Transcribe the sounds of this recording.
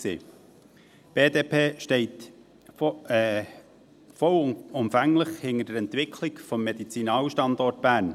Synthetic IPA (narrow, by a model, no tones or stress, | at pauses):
sḭː | b̥eːd̪eːpʰeːʃtɛɪt̪ | fɔlʊmfæŋləχhɪŋəd̥əɾɛnt̪vɪkʰlɪɡfɔmːed̥̪it͡sinɑːwəʃtɑnd̪ɔrt̚b̥æɾn